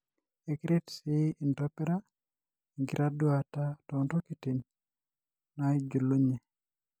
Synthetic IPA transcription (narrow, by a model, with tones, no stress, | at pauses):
e˨kiɾe˦tsi˦i˨ntɔ˦pe˦ɾa˦ | i˨ŋɡi˨ɾʔa˦dwata˦tɔ˨ntɔ˦ki˨ti˨ɲ | nai˦d͡ʒo˨lo˦ɲe˨